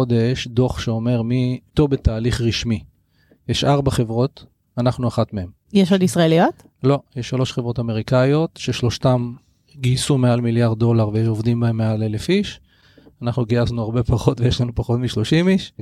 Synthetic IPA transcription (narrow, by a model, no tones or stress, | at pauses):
od̪eʃd̪o̞χʃeo̞me̞ʁmit̪ovbetaːliχʁiʃmi | jeʃaʁbaχe̞vʁo̞t̪ | anaχnuaχat̪mee̞m | jeʃodisʁaelijot | lo̞jeʃːalo̞ʃχevʁo̞tame̞ʁikajo̞tʃeʃlo̞ʃtam | ɡisumealmiljaʁd̪̚ːo̞laʁveovd̪imbaemːeale̞le̞fiʃ | anaχnuɡiaznuaʁbe̞paχo̞t̪vejeʃlanupaχo̞tmiʃlo̞ʃimiʃ